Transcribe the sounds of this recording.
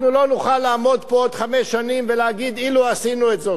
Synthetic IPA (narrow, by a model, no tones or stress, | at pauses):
nulo̞nuχalːaːmo̞d̪pood̪χamesːanimveleaɡid̪iluasinuet̪ze